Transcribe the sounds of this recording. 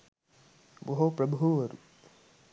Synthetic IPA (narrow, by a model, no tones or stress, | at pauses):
boɦopɾɐbʱuʋɐɾṵt̪